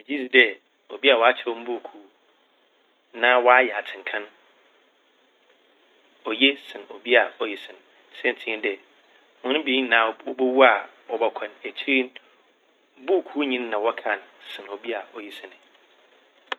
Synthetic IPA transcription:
m̃˨d͡ʑi˦si˨dɛ˨ | ɔ̰˨bi˦a˨wɔ˨˦a˦t͡ɕʰɛ˦wɔ̃˦m˦bu˦˨kʰuː˦ | nãː˦wɔ˦a˦jɛ˨a˨tʰɪ̃˨ŋ˨kʰã˦n | ɔ˨je˦sɪ̃˨nɔ̰˨bi˦a˨ɔ˨ji˨sɪ̃˨n˨ | sɛ̃˦n˨tʰĩ˦n˦dɛ˨ | mʊ̃˦nʊ̃˦biː˨˦n˦nãː˨˦˨wɔ˦bo˦wu˦a˨ | wɔ˨bɔ˨kʷʰɛ̃˨næ˨t͡ɕʰi˦ɾi˦n˦ | bu˦˨kʰu˦ɲĩ˦nː˦ã˨wɔ˦kʰã˦˨nsɪ̃˨nɔ˨bi˦a˨ɔ˨ji˦sɪ̃˨nɪ̃˨

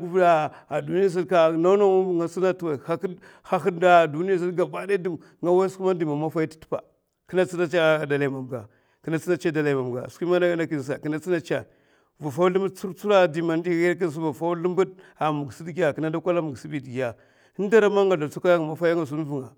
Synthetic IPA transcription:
ɡvda˨ | a˨du˨ni˦a˦s̬i˦ka˦na˦na˦u˦˨ŋa˨si˦na˦twa˨ha˦ | ha˦xi˦da˦˨du˦ni˦ja˦˨s̬i˦lɡa˨ba˦da˦di˨m | ŋa˦wa˦sku˦ma˦di˨ma˨ma˦fa˦ji˦ti̥˦tpa̰˨ | ki˦na˦t͡si˦na˦t͡ʃa˦a˨da˨la˨ma˨m˨ɡa˨ | ki˨na˦t͡si˦na˦t͡ʃa˦da˨la˨ma˨m˨ɡa̰˨si˦ma˦na˦na˦ki˦˨n˨s̬a˨ki˦na˦t͡si˦na˦t͡ʃa˨ | va˨fa˦u˦li˦mbə˦dt͡su˦ɾt͡su˦ɾa˦di˨ma˨n˦di˦ɣa˦k̬i˦n˨s̬u˦va˨fa˦u˦li˦mbə˦da˨mu˨ɡsi˦dɡi˦ja˨ki˨na˦da˦kʷa˦la˦mu˨ɡsi˦bi˨dɡi˨a˨ | i˦n˦da˦ɾa˦ma˦ŋɡa˨da˨t͡su˦ka˦ja˦ŋa˨ma˨fa˦ja˦ŋa˨s̬u˦n˦vu˨ŋa˨

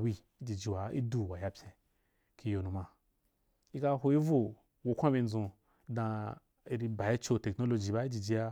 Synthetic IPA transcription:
wi˧ | i˦d͡ʒi˨d͡ʒi˧wa˨ḭ˦du˨wa˨ja˧pʲẽ˧ | ki˧jo˧nũ˧ma˧ | i˦ka˧˦ɦo˧i˦vo˦˨ | wo˧kʷã˦bi˧n˦zũ˧˦ | dã˧ | i˧ɾi˧ba˨ji˦t͡ʃo˧te˨kno˦lo˧d͡ʒi˨ba˦i˦d͡ʒi˨d͡ʒi˧ja˧

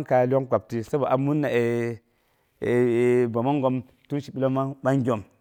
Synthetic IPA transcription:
nka˨lʲi˦o˦ŋka˨p̚ti˨sa˦ba˨ʔa˨mu˦nːa˨e˨ | ba˨ma˦ŋɡo˦m | tu˦nʃi˨ɓi˦lo˦ma˦ɓa˦ŋɡʲo˨m

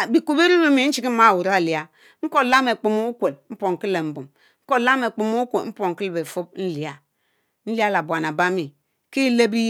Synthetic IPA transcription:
bi˨kʷu˨be˦ɾi˦ɾi˦mi˨n̩˦t͡ʃi˦ki˦m̩˦ma˦˨wu˨ɾa˦˨li˨a˨ | ŋ̩˦ko˦˨la˦me˨k͡pi˨mu˦u˦kʷe˨lm̩˦po˨ŋ̩˨ki˦lːe˨m̩˦˨bu˨m | ŋ̩˦ko˦˨la˦me˨k͡pi˨mu˦u˦kʷe˨m̩˦po˨ŋ̩˨ki˦lbe˨fu˦b̚n̩˦li˨a˨ | n̩˦li˦a˦la˨bwa˨na˨ba˦mi˨ | ki˦le˦bi˦

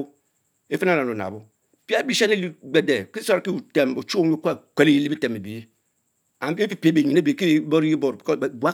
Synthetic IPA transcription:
e˦fe˦na˦˨na˨no˨na̰˨bo˦ | pi˦a˦bi˦ʃa˦ne˦li˦ɡ͡be˨de˨ki˦sa˦ɾki˦u˨te˨mo˨t͡ʃu˦e˦kʷke˨le˦ji˦li˦bi˦te˨me˨bi˨˦ | a˨e˦fi˦pi˨be˨ɲi˨ne˦be˨ki˦˨˦bo˦ɾji˦bo˨ɾbʷa˦

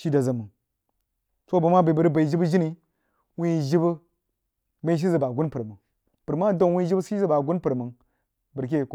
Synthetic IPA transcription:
ʃi˦da˨za˨mə˨n | so˦ba˨ma˦ba˨bə˨ɾba˨i˨d͡ʒi˦bə˦ʒi˦ni˨ | wi˦˨ʒi˦bə˦ | ba˦i˦ʃ̬i˦zə˨ba˨ɡu˦npɨ˨ɾmə˨ŋ | b̥ɾma˦do˦nwi˦i˦bə˦si˦i˦zə˦ba˨ɡu˦n˦pə˨ɾmə˨n | bə˨ɾk̬e˦˨k

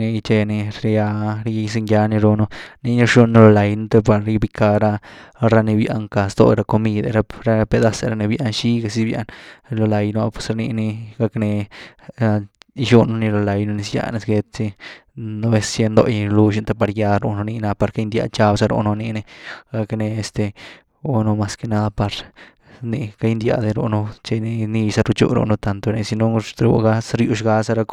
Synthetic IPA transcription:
ni˧t͡ʃe˧ni˧ɾja˧ɾjjs̬i˧ŋja˧ni˧ɾu˧no˧ni˧ni˧ʃu˧nːi˧lo˧la˨jno˧˦t̪e˧pa˧ɾɾi˦˧bi˧ka˧ɾa˧ɾa˧ni˧bja̰˧ŋka˨sd̪o̰˧˨˧ɾa˧ko˧mi˧d̪a̰˧ɾa˧ɾa˧pe˧d̪a˦sa˧ɾa˧ni˧bja˧nʃi˦ɡa˧si˧bja̰˧nlo˧la˨jnu˧a˧pwe̥˧˨sɾni˧ni˧ɡa˧kne˧ | ʃu˧nu˧ni˧lo˧la˧jno˧ni˧sja̰˧ne˧sɡe˧t͡si˧no˧be˧sje˧nd̪o̰˧jlu˧ʃi˧nt̪a˧pa˧ɾja˧ɾo̰˧no˧ni˧na˧pa˧ɾka˦jnd̪ja̰˧t͡ʃa˧bsa˧ɾo̰˧no˧ni˧ne˧ɡa˧kne˧e˧st̪e˧ | o˧no˧ma˧ske˧na˧d̪a˧pa˧ɾ | ni˧ka˧jnd̪ja̰˧˨d̪e˧ɾo̰˧no˧t͡ʃe˧ni˧ni˧sa˧ɾu˧t͡ʃṵ˧ɾo̰˧no˧t̪a˧nt̪o˧ne˧si˧no˧ɾṵ˧ɡa˦sɾju˧ʃɡa˧sa˧ɾa˧k

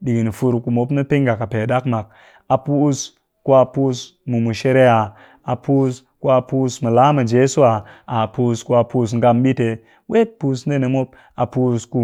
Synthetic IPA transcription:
ɗi˨ɡi˨n˨fu˧ɾku˨mo˦pna˦pi˦ŋɡa˨ka˨pe˨da˦kma˨k̚ | a˨pu˦s | ku˦a˨pu˦s | mu˨mu˨ʃe˦ɾe˦a˨ | a˨pu˦s | ku˦a˨pu˦smu˨la˨˦ma˨d͡ʒe˦su˦a˨a˨pu˦sku˦a˨pu˦s̬ŋɡa˧mbi˦te˨ | we˦t̚pu˨sne˦ne˨mo˦p̚ | a˨pu˦sku˨

